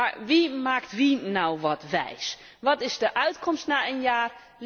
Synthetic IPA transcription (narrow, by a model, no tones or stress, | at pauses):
aɹʋimaːktʋinɑwʋɑtʋɛ̰js | ʋɑtɪzdəʔœɥtkɔmstnaːənjaːr | l